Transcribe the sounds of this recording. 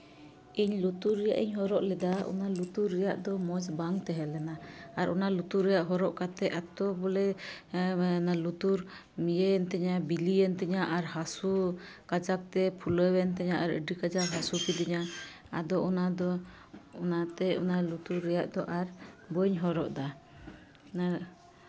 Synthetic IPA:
iɲlut̪uɾːɛja̰ʔḭɲɦɔɾɔʔlɛd̪aɔ̰nalut̪uɾːɛjaʔd̪ɔmɔd͡ʒbaŋt̪ɛɦɛlɛnaaɾʔɔnalut̪uɾɛjaʔɦɔɾɔʔkat̪ɛʔat̪ɔbɔlɛ | nalut̪uɾ | mijəɛnt̪ɛɲabiliɛnt̪ɛɲaʔaɾɦasu | kad͡ʒak̚t̪ɛpʰuləwɛnt̪ɛɲaʔaɾə̰ɖikad͡ʒakɦasupid̪ɛɲa | a̰d̪ɔʔɔnad̪ɔ | ɔnat̪ɛɔnalut̪uɾːɛjaʔd̪ɔʔaɾbəɲɦɔɾɔʔd̪a | na

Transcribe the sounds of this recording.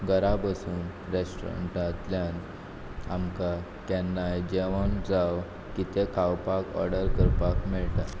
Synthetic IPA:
ɡəɾabəsuːnɾesʈɾa̰ɳʈat̪ljan | amka | kɛnːajd͡ʑeʋənd͡zaw | kit̪ekʰawpakɔ̰ɾɖəɾkəɾpakmɛɭʈ̪a

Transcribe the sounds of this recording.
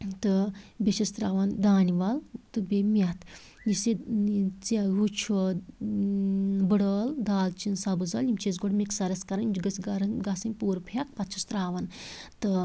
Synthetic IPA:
t̪ɨbʲeʃɐst̪ɾaːʋɐnd̪aːniʋalt̪ɨbʲemʲat̪ | jiset͡seɦut͡ʃʰɐ | bɨɽɐːld̪aːlt͡ʃinsabɨzɐljimt͡ʃezɡoɽmʲeksɐɾɐskɐɾɐnimd͡ʒɡɐt͡sɡɐɾɐnɡɐsɨnʲpuːɾpʰak̚pɐt̪t͡ʃʰɐst̪ɾaːʋɐnt̪ɨ

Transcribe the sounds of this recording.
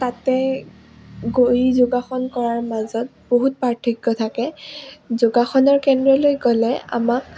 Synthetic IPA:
tatɛ | ɡojzʊɡaxɔnkɔɹaɹmazɔt̚boɦut̚pɹaɹtʰikːɔtʰakɛzoɡaxɔnɔɹkɛndɹɔlojɡɔlɛa̰mak̚

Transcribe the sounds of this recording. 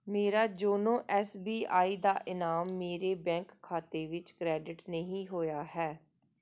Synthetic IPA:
meːɾaːd͡ʒoːnõːʔɛːsbiːʔaːiːd̪aːʔɪnaːmːeːɾeːbɛ̃ːŋkʰːaːt̪eːʋɪt͡ʃkɾɛːɖɪʈnəɦĩːɦoːjaːhɛː

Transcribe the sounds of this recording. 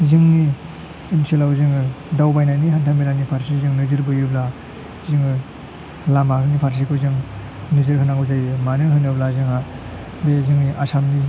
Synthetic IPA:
zɯŋni | ɯnselawzɯŋɯ | dawbajnajniɦantʰamilanipʰaɾsizɯŋnɯzɯɾbɯjubla | zɯŋɯ | lamaɦɯnipʰaɾs̬ikʰɯzɯŋ | nɯzɯɾɦɯnaŋɯzajɯmanɯɦɯnɯblazɯŋha | bezɯŋniʔasamni

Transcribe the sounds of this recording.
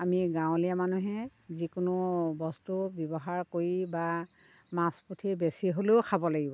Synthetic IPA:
amiɡãʊ̃lijamanuɦɛzikʊnʊbɔstubjɔbɔɦaɹkoɹiba | masputʰibesiɦoleʊkʰabɔlaɡibɔ

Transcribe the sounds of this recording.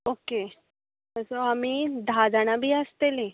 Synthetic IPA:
oke | əsɔamiːd̪ʱad͡zaɽ̃abʱiːəst̪ele

